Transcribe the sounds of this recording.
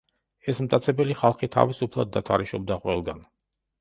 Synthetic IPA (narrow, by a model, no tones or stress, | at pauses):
ɛsmt̪ʼat̪sʰɛbɛliχalˠχit̪ʰa̰visupʰlˠad̪ːat̪ʰaɾiʃɔb̚d̪aqʼwɛlˠɡan